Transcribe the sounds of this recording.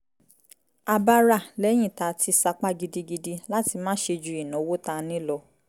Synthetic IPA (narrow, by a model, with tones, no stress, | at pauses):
a˧ba˧ɾa˦˨lɛ˨˦j̃ĩ˦˨ta˨˦tʰi˧sa˧k͡pa˦ɡi˧di˧ɡi˧di˧la˦ti˧mãː˦ʃe˧d͡ʒu˧˦i˨nɔ̃˨˦wo˦ta˧nĩ˦lɔ˧